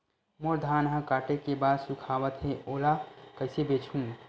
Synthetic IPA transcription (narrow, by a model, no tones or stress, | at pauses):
moɾd̪ʱaːnɦãkaːʈekebaːd̪sukʰaːʋət̪ɦeoːlakəɪsebeːt͡ʃʰɦũ